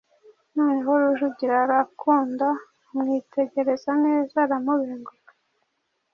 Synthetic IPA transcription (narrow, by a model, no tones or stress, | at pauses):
noːneɦoɾuʒuɟiɾaɾakʰuːnda | mŋite̞ɟe̞ɾe̞zaneːzaɾamuβiŋɡo